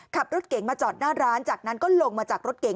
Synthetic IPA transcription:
kʰa˨˩p̚ɾo˦˥t̪̚ke˨˩˦ŋmaː˧t͡ɕɔː˨˩t̪̚naː˥˩ɾaː˦˥nt͡ɕaː˨˩k̚na˦˥nkɔː˥˩lo˧ŋmaː˧t͡ɕaː˨˩k̚ɾo˦˥t̪̚ke˨˩˦

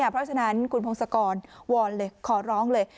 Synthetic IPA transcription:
pʰɾɔ˦˥t͡ɕʰa˧na˦˥nkʰu˧npʰo˧ŋsa˧kɔː˧nwɔː˧nlɤː˧jkʰɔː˩˦ɾɔː˦˥ŋlɤː˧j

